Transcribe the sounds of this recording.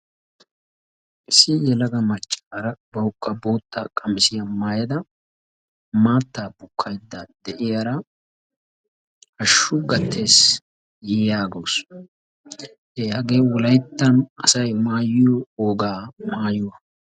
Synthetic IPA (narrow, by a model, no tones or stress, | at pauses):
ʔɪsːɪjɛlɐɡɐmɐt͡ʃʼːaːɾɐbɐwʊkʼːɐboːt̪ʰːa̰ːkʼɐmɪsɪjɐmaːjɐd̪ɐ | maːt̪ːaːbʊkʰːɐjd̪ːad̪ɛʔɪjɐɾɐ | ɐʃːʊɡɐt̪ʰːe̞ːs | jɛjaːɡows | ɛjɐɡeːwɔlɐjt̪ːɐnɐsɐjmaːjɪjɔoːɡaːmaːjʊwɐ